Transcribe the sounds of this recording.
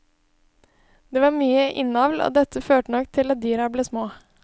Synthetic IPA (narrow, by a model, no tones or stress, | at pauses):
d̪̥eːʋɑːɾmyːəʔɪnɑʋlo̰ːd̪ɛt̪əføːʈənɔkt̪ʰɪlɑd̪yːɾɑbleːsmoː